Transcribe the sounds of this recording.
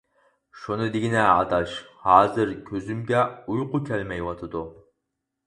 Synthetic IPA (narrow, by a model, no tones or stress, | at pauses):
ʃunɨd̪eɡʲinɛɑ̰t̪ʰɑʃhɑːzɨɾkʲʰøzymɡʲɛujqʊkʲʰɛlmɛjwɑt̪ʰɨd̪u